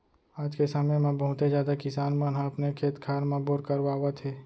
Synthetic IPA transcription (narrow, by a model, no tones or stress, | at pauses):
aːd͡ʒkesaːmemãbɐɦʊ̃t̪ed͡ʒjaːd̪akɪsaːnmanɦãɐpnekʰeːt̪kʰaːɾmãboːɾkəɾʋaːwat̪ʰeː